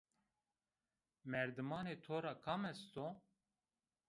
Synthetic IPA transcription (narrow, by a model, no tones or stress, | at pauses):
mɛɾd̪ɨmɑːneːt̪ʰoːɾɑːkʰɑːmɛst̪o